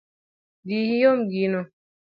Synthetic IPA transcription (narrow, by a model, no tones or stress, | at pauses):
dihijomɡinɔ